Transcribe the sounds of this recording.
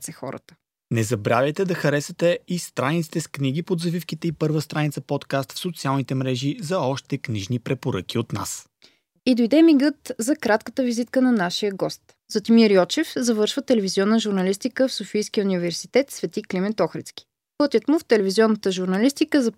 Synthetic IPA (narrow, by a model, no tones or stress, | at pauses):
sɛxɔ̰ɾə̰t̪ə̥ | nɛzɐbɾavʲjɛt̪ɛd̪ɐxɐɾɛsɛt̪ɛist̪ɾanit̪si̥t̪ɛskniɡipod̪zɐvifkit̪ɛipɤɾvəst̪ɾanit̪sɐpɔt̪kast̪fsot̪sialˠnit̪ɛmɾɛʒizɐɔʃt̪ɛkniʒnipɾɛpoɾək̟iot̪na̰s | id̪ojd̪ɛmiɡɤt̪zɐkɾat̪kət̪əvizit̪kənɐnaʃijəɡɔst̪ | z̥ot̪imiɾijɔt͡ʃɛfzɐvɤɾʃvət̪ɛlɛviziɔnːəʒʊɾnɐlist̪ikəfsofijsk̟iəunʲivɛɾsit̪ɛt̪svɛt̪iklimɛt̪ɔxɾɛt̪sk̟ʲi̥ | pɤt̪ʲət̪mʊft̪ɛlɛviziɔnːət̪əʒuɾnɐlist̪ikəzɐ